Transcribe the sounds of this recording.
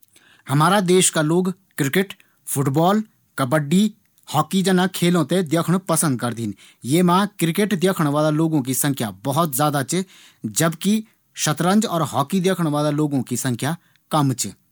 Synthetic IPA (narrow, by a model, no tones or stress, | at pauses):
hɐmaːɾad̪eːʃkaloːɡkɪɾɪkɪʈ | pʰʊʈbɔːl | kəbəɖːi | hɔːkid͡ʒənakʰeːlõt̪ed̪jəkʰəɽ̃pəsə̃nd̪̚kɐɾd̪iːn | jeːmãːkɾɪkeʈd̪jaːkʰəɽ̃ʋaːd̪aloːɡõk̬isə̃ŋkʰjabəɦʊt̪zjaːd̪at͡ʃ | d͡ʒəbki | ʃət̪ɾə̃nd͡ʒɔːɾɦɔːkid̪jaːkʰəɽ̃ʋaːd̪aloːɡõkisə̃ŋkʰja | kəmt͡ʃ